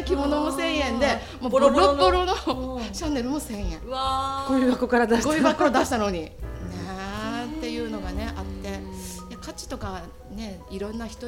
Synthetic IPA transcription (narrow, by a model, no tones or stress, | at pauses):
kʲimo̞nomo̞sẽ̞ɰ̃jẽ̞nd̪e̞ | moopːoɾo̞not͡ɕãnːe̞ɾɯ̟mo̞sẽ̞ɰ̃jẽ̞ɡoibakokaɾad̪aɕɡoibakːod̪aɕi̥t̪ano̞ɲ̟inet̪ːe̞jɯ̟ːno̞ɡane̞ʔat̪ːe̞jakat͡ɕi̥t̪o̞ka | ne̞iɾõ̞nːaçi̥t̪o